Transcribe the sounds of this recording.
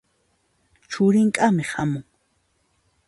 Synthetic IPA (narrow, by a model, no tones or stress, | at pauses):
t͡ʃʊɾɪŋkʼamɪhamʊŋ